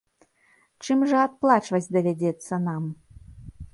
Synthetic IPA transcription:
t͡ʃɨmʐɨat̪̚plˠat͡ʃvɐsʲd̪ɐvʲɛdʲet̪sːɐnam

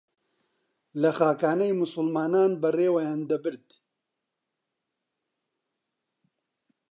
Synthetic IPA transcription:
lɐxaːkaːnɐjmʊsʊlmaːnaːnbɐreːwɐjaːnd̪ɐbɨɾt̪

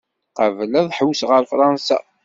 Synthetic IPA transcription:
qəvlæðˤħəwsʁəɾfɾˤɑnsa̰

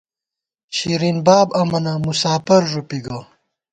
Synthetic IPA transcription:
ɕiɾinbaːbɐmɐnamusaːfɐɾʐupiɡɐ

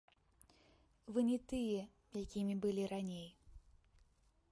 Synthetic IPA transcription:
vɨnʲɛt̪ɨjɛ | jakʲimʲibɨlʲiɾanʲej

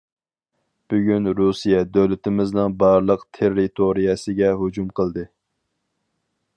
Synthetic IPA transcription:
b̥yɡʲynɾusijɛd̪ølɪt̪ɪmɪznɨŋbɑɾlˠəqt̪ʰeɾːit̪ʰoɾijɛsɨɡʲɛɦud͡ʒumqʰəlˠd̪ɨ

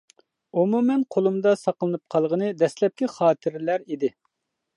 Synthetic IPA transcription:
umumɛnqʰolˠumd̪ɑsɑqəlˠɨnɨp̚qʰɑlˠʁənɨd̪ɛslɛp̚kʲiχɑːt̪ʰɨɾɪlæɾid̪ɪ

